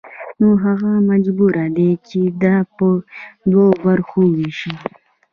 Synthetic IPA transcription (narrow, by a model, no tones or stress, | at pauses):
noɦaɣamad͡ʒbuɾad̪et͡ʃed̪ɑpəd̪wobaɾxowiʃi